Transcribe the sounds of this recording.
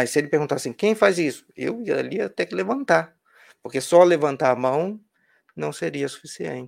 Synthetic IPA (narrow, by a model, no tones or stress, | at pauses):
majsɪelɪpeɾɣɡũt̪asĩkẽj̃fajzisʊ̥ḛwiɐd̪a̰liɐt̪ekɪlevɐ̃nt̪a | poɾkesɔlevɐ̃nt̪aɾɐmɐ̃w̃ | nɐ̃w̃seɾiɐsu̥fisiḛ̃nt͡ʃɪ